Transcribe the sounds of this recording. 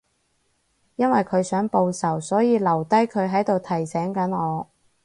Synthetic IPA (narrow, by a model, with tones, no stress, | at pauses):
jɐ˥nwɐ˨jkʰɵ˨˧ɥsœː˨˥ŋpo˧wsɐ˨˩wsɔː˨˥jiː˨˧lɐ˨˩wt̪ɐ˥jkʰɵ˨˧ɥɦɐ˨˥jt̪o˨wt̪ʰɐ˨˩jsɛː˨˥ŋkɐ˨˥nɔː˨˧